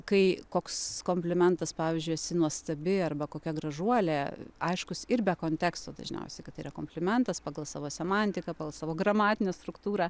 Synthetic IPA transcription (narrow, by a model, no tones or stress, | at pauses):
kɐɪkoːkskoːmʲpʲlʲɪmʲɛnt̪ɐspɑːʋʲiːzʲd͡ʒʲʊjɛsʲɪnuɔst̪ɐbʲɪɐrbɐkoːkʲɛɡrɐʒuɔlʲeːɐɪʃkʊsɪɾbʲɛkoːnʲt̪ʲɛːkst̪oːd̪ɐ̰ʒʲnʲɛ̰ʊsʲɛɪkɐt̪ːɐɪiːɾɐkoːmpʲlʲɪmʲɛnt̪ɐspɑːɡɐlˠsɑːʋoːsʲɛmɐnʲt̪ʲɪkɐpɑːɡɐlˠsɑːʋoːɡɾɐmɑːt̪ʲɪnʲɛst̪ɾʊkt̪uːɾɑː